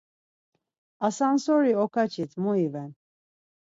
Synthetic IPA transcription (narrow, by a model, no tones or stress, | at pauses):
asansɔɾiɔkʰat͡ʃʰit̪ʰmuivɛn